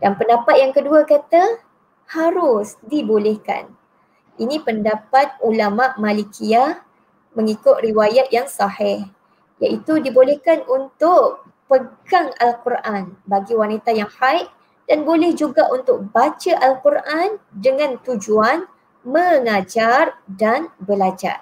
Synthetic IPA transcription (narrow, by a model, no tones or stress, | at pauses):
danpəndapat̪̚jaŋkəduakat̪a | haɾʊsdibolɛhka̰n | ʔinĩpəndapat̪̚ulamaʔmalikiah | mə̃ŋikʊt̪̚riwajat̪̚jaŋsɑhɪh | ja̰ʔit̪udibolɛhkanunt̪ʊʔ | pəɡaŋalkurʔanbaɡiwanit̪ajaŋhajʔ | d̥anbolɛhd͡ʒuɡaʔunt̪ʊk̚bat͡ʃaʔalkurʔandəŋãnt̪ud͡ʒuan | mə̃ŋad͡ʒardanbəlad͡ʒa̰r